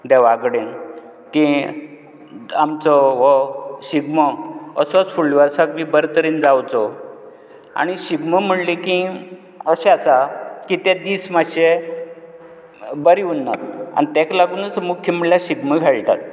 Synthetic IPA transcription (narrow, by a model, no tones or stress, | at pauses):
d̪ɛʋaɡɽen | ki | amt͡sɔʋɔɕiɡmɔəsɔt͡sfuɭːʋaɾsakbibəɾt̪əɾiːnd͡zawt͡sɔ | a̰ñiɕiɡməm̤əɽliki | əɕɛ̃asakit̪ed̪ismaɕe | bəɾiunːat̪a̰nit̪ɛklaɡuːnt͡smukʰːəməɭljaɕiɡməɡʱeɭt̪a̰t̪̚